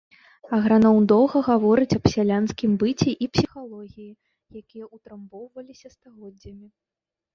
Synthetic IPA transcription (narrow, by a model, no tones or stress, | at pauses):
ɐɣɾanɔwd̪ɔwɣɐɣavɔɾɨt͡sʲɐpsʲalʲanskʲimbɨt͡sʲiʔipsʲixalˠɔɣʲiji | jakʲijɐut̪ɾɨmbɔwvɐlʲisʲɐst̪aɣɔd͡zʲːɐmʲi